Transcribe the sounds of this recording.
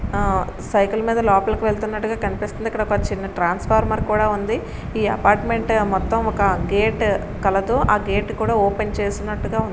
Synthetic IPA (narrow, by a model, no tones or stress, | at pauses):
sɐjkulmiːd̪ɐlɔːpɐlɐkuʋeɭt̪unːɐʈːuɡaːkɐnipiːst̪und̪ikːɐɽɐɔkɐt͡ʃinːɐʈɾaːnspʰaːɾmɐɾkuːɽaːund̪i | iːɐ̰paːɾʈme̞ɳʈmɔt̪ːɐmɔkɐɡeːʈ | kɐlɐd̪uaːɡeːʈkuːɽaːoːpent͡ʃeːsinːɐʈːuɡaːund̪i